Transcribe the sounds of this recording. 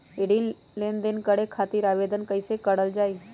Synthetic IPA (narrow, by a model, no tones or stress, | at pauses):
eɽi | lend̪enkəɽekʰaːt̪iːɾaːʋeːd̪ənkəɪsekəɽəld͡ʒaːi